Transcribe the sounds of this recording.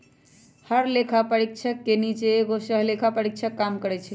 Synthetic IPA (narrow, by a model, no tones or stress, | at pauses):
həɾlekʰapəɾik̚t͡ʃʰəkːenit͡ʃeːɡosəɦlekʰapəɾik̚t͡ʃʰəkːamkəɾɛt͡ʃʰɛ